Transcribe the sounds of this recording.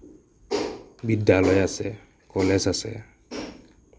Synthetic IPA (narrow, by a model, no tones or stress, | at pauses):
bidalɔjasɛ | kɔlɛsasɛ̰